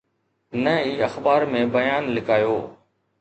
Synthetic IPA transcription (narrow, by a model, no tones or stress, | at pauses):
nəiːəxbaːɾmẽːbəjaːnlɪkaːjoː